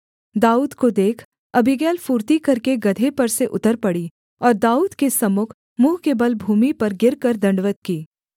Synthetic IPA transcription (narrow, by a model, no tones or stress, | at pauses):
d̪aːuːd̪kod̪eːkʰ | ɐbʱɪɡɛːlfuːɾt̪ikɐɾkeɡɐd̪ʱepɐɾseʔʊ̰t̪əɾpɐɽi | ɔːɾd̪aːuːd̪kesɐmʊkʰ | muːɦkebɐlbʱuːmipɐɾɡɪɾkɐɾd̪ɐ̃ɳɖʋət̪̚kiː